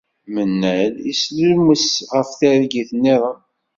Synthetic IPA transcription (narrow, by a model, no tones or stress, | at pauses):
mənːælisluməsʁəfθæɾɡiθənːiɾˤɑ